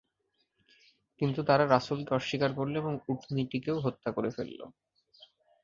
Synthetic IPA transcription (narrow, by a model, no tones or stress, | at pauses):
kint̪ut̪aɾaɾasulkeɔʃːikaɾkoɾloeboŋuʈʰniʈikeoɦot̪ːakoɾefḛlːo̰